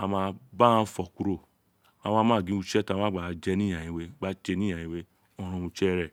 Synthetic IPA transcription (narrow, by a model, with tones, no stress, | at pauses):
a˧mã˧ba˦ã˦fɔ˨ku˧ɾo˨ | ã˨˧˦ã˦mãː˦˨ɡĩ˨˦u˧t͡ʃɛ˦tã˧˦ã˦ɡ͡ba˨˦d͡ʒɛ˦nĩ˦ã˨jĩ˨˦we˦ɡ͡ba˦t͡ʃe˧nĩ˦ã˨jĩ˨˧we˧ | ɔ˧ɾ̃ã˧u˧t͡ʃɛ˦ɾɛ˦˨